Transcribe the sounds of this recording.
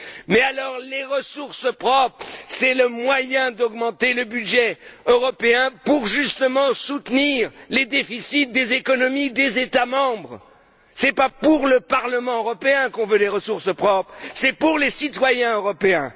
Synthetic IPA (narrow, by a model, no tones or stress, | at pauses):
mɛalɔʁleʁəsuʁsəpχɔpχsɛləmwajɛ̃d̪ɔɡmɑ̃t̪eləbyd̪ʒɛøʁɔpeɛ̃puʁʒyst̪əmɑ̃sut̪niʁled̪efisit̪̚d̪ezekɔnɔmid̪ezet̪amɑ̃bʁ | sɛpapuʁləpaʁləmɑ̃øʁɔpeɛ̃kɔ̃vød̪eʁəsuʁsəpχɔpχsɛpuʁlesit̪wajɛ̃øʁɔpeɛ̰̃